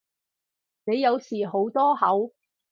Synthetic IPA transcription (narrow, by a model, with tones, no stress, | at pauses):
ne˨˧jːɐ˨˧wsiː˨˩ɦo˨˥wt̪ɔː˥hɐ˨˥w